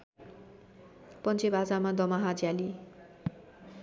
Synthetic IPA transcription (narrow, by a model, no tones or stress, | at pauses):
pʌnt͡sʰebʱad͡zamad̪ʌmaɦad͡zjali